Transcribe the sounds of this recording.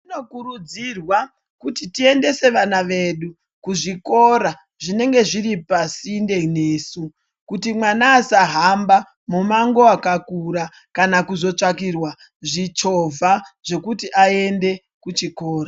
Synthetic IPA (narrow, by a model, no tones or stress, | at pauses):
tino̞kuɾud͡zirwa | kutitie̞nde̞se̞ʋanaʋeɗu | kuʐiko̞ɾa | ʐine̞ŋɡe̞ʐiɾipasinde̞ne̞ːsu | kutimwanaːsaɦamba | mumaŋɡo̞akakuɾa | kanakuzo̞t͡ʂak̬irwa | ʐit͡ʃo̞vʱaʐe̞kutiʔae̞nde̞ | kut͡ʃiko̞ːra